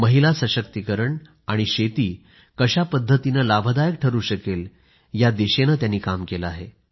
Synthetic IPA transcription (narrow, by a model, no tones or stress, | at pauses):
məɦilasəɕək̚t̪ikəɾəɳ | aɽ̃iɕet̪iː | kəɕapəd̪ʱːət̪inəlabʱəd̪ajək̚ʈʰəɾuːɕəkel | jad̪eɕenət̪janːiːkamkeləaɦe